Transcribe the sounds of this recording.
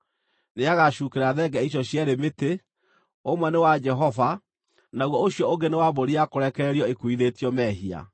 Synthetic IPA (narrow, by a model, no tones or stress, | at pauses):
neaɣaɕuːkeɾaðɛɡɛiɕ̬ɔɕjaɾemete | omwɛnewad͡ʒɛɦɔva | naɣwɔoɕjɔoŋɡenewaβoɾiakoɾɛkɛɾiɔekuiðetiɔmɛːɦia̰